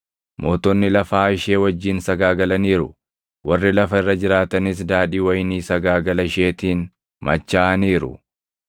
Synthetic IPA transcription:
mo̞ːt̪ɔnːɪlɐfaːɪʃe̞ːwɐd͡ʒːiːnsɐɡaːɡɐlɐniːɾʊ̰ | wɐrːɪlɐfɐɪrːɐd͡ʒɪɾaːt̪ɐnɪs̬d̪aːᶑiːwɐjɪniːsɐɡaːɡɐlɐɪʃe̞ːt̪iːn | mɐ̰t͡ʃːaːʔɐniːɾʊ̰

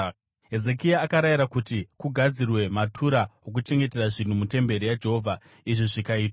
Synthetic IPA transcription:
ɦe̞ze̞kijaːkaɾajiɾakutikuɡʱad͡zirwe̞matʰuɾaok̬ut͡ʃe̞ŋɡe̞te̞raʐin̤umute̞mbe̞ɾijad͡ʒe̞ɦoːvʱa | iʐiʐikaiːtwa

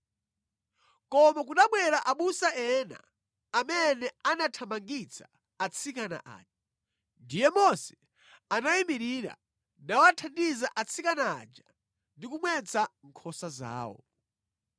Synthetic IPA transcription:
kɔmakunaɓwɛɾaʔaɓusaɛna̰ː | mɛnɛanatʰamaŋɡit͡sʰḁː | t͡sʰikana̰ʔa̰ːd͡ʒḁ | ndijɛmɔsɛ̥ | anaimiɾiɾa̰ | nawatʰandizaʔat͡sʰikana̰ːd͡ʒa | ndikumwɛt͡sʰaŋ̩kʰɔsaza̰ːwɔ̰

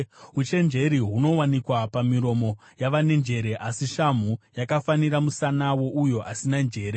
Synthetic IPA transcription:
ut͡ʃe̞nd͡ʒe̞ɾiɦuno̞wanikwapamiɾo̞mo̞ | jaʋane̞nd͡ʒe̞ɾe̞ʔasiʃam̤ujakafaniɾamusanawo̞ʔujo̞asinand͡ʒe̞ːɾe

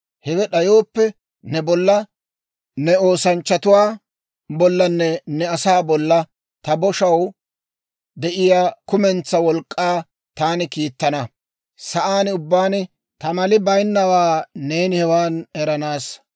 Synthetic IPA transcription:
hɛɡɛɗɐjoːpːɛ | nɛbɔlːɐ | nɛoːsɐnt͡ʃːɐt̪ʊwaː | bɔlːɐnːɛnɛɐsaːbɔlːɐ | t̪ɐbɔʃɐw | d̪ɛʔɪjaːkʊmɛnt͡sːɐwɔlkʼːaː | t̪aːnɪkiːt̪ːɐnɐ | sɐʔaːnʊbːaːnɪ | t̪ɐmɐlɪbɐjnːɐwaːne̞ːnɪhɛwaːnɛɾɐnaːs

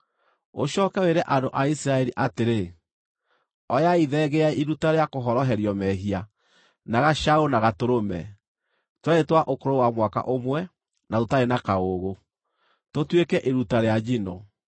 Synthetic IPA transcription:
o̰ʃɔkɛweɾɛʔandoʔaisiɾaɛɾiʔateɾe | ɔjaiðɛɣeaiɾutaɾeakoɦɔɾɔɦɛɾjɔmɛɦia | naɣaʃaonaɣatoɾomɛ̰ | twaetwaʔokoɾowamwaka̰ʔomwɛ | natotaɾenakaoɣo | totwekɛʔeɾutaɾead͡ʒino

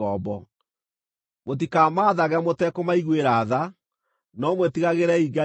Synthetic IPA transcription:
ɔbɔ | mot̬ikaːmaːðaɣamotɛkomaiɣweɾaːða | nɔmwetiɣaɣeɾɛiɡa

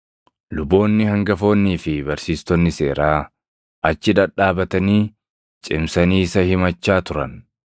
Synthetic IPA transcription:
lʊbːo̞ːnːɪhɐŋɡɐfo̞ːnːiːfɪbɐɾsiːst̪ɔnːɪse̞ːɾaː | ɐt͡ʃːɪᶑ̪ɐᶑaːbɐt̪ɐniː | t͡ʃʼɪmsɐniːɪsɐhɪmɐt͡ʃːaːt̪ʊɾɐ̰n

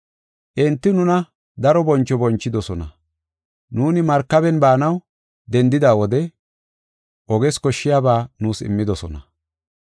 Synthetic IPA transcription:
ʔɪnt̪ːɪnʊnɐ | d̪ɐɾɔbɔnt͡ʃːɔbɔnt͡ʃːɪd̪ɔsɔnɐ | nuːnɪmɐɾkːɐbɛnbaːnɐw | d̪ɛnd̪ɪd̪aːwɔd̪ɛ | ʔɔɡɛskɔʃːɪjaːbaːnuːsɪ̰mːɪd̪ɔsɔnɐ

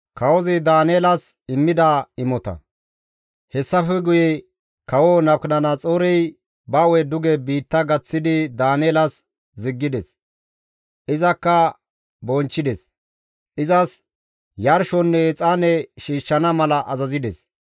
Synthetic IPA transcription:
kɐwɔzɪd̪aːneːlɐs | ɪmːɪd̪aɪmɔt̪ɐ̰ | hɛsːɐfɛɡʊjɛ | kɐwonɐbknɐnɐt͡sʼoːɾɛj | bɐwɛd̪ʊɡɛbiːt̪ːɐɡɐt͡sːɪd̪ɪd̪aːneːlɐs | zɪɡːɪd̪ɛs | ʔɪzɐkːɐ | bɔnt͡ʃːɪd̪ɛs | ʔɪzɐs | jɐɾʃɔnːɛt͡sʼaːnɛʃiːʃːɐnɐmɐlɐʔɐzɐzɪd̪ɛs

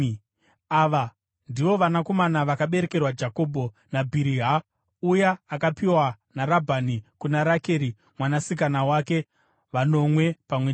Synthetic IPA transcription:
aʋa | ndiʋo̞ʋanako̞manaʋakaɓe̞ɾe̞ke̞rwad͡ʒako̞ːbʱo̞ | nabʱiɾiɦa | ujaːkapiwa | naɾabʱanikunaɾake̞ːɾi | mwanasik̬anawake̞ | ʋano̞mwe̞pamwe

